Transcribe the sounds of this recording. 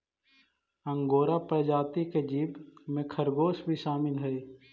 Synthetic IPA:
ə̃ŋɡoːɾapəd͡ʒaːt̪iked͡ʒiːbmẽkʰəɾɡoːsbʱiʃaːmɪnɦɛe

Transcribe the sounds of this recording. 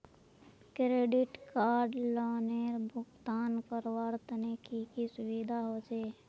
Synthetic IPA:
kɾeːɖɪʈkaːɾɖlɔːneːɾbʱʊɡt̪aːnpəɾwaːɾt̪ənekikisʊwid̪ʱaɦoːd͡ʒeː

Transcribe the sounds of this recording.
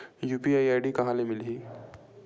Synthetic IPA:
juːpiajajɖiːkɐɦãlemilɦiː

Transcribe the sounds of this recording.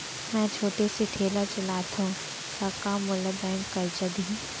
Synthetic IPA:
mɛ̃ːt͡ʃʰoːʈeseʈʰeːlat͡ʃɐlaːt̪ũ | t̪akaːmːʊləbɛːŋkɐɾt͡ʃəd̪i

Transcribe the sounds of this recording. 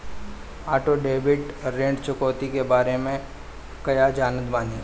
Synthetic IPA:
aːʈoɖeːbɪʈɾẽːɳɖt͡ʃʊkɔːt̪ikebaːɾemẽ | kɐjad͡ʒaːnət̪baːni

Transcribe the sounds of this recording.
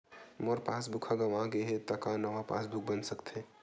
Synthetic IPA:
moɾpaːs̬bʊkʰaɡɐʋãɡeɦet̪ɐkanɐʋapa̰ːsbʊk̚ʰbɐnsɐkt̪ʰẽː

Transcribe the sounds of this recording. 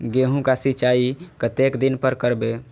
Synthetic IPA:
ɡeɦũkasit͡ʃaikət̪ekd̪inpəɾkəɾbe

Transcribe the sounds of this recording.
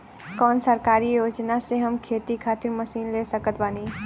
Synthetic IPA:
kɔːnsəɾkaːɾijoːd͡ʒnaseɦəmkʰeːt̪ikʰaːt̪ɪɾməsiːnlesəkət̪baːni

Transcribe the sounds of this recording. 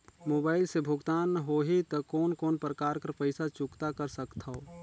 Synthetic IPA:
moːbaːɪlsebʱʊɡt̪aːnɦoːɦit̪ɔkɔːnkɔːnpɾəkaːɾkəɾpəɪsat͡ʃʊkt̪akəɾsəkt̪ʰao

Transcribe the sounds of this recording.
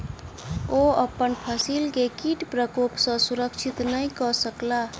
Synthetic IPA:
oəpənpʰəsilkekiʈpɾəkopsə̃suɾəkt͡ʃʰit̪nəjkɔsəkla

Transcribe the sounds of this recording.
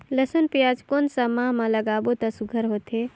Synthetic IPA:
ləsənpijad͡ʒkonsəmaɦmaləɡabot̪əsuɡʱəɾɦot̪e

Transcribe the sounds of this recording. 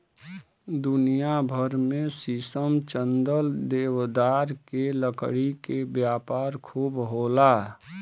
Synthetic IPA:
d̪ʊnijabʱəɾmẽsisəmt͡ʃənd̪əld̪eːwd̪aːɾkeləkɽikebjaːpaːɾkʰuːbɦoːla

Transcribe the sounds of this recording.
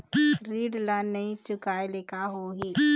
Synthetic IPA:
ɾiːɖlanːəɦĩt͡ʃʊkaːeleːkaɦoɦiː

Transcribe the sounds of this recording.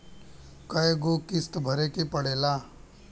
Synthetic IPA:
kɐjeɡokɪst̪bʱɐɾekepəɽeːlaː

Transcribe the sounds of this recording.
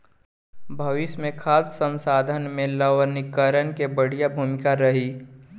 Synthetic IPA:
bʱəʋɪʃmẽkʰaːssə̃msaːd̪ʱənmẽləʋənɪkəɾənkebəɽ̤ijabʱuːmɪkaɾəɦi

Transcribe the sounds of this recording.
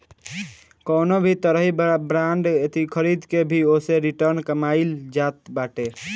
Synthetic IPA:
kəːnobʱit̪əɾəɦibɾaɳɖet̪ikʰəɾid̪kebʱioseɾiʈəɾnkəmaɪld͡ʒat̪baʈe

